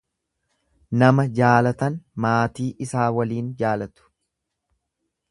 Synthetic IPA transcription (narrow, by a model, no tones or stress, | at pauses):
nɐmɐd͡ʒaːlɐt̪ɐnmaːt̪iːʔɪsaːwɐliːnd͡ʒaːlɐt̪ʊ̥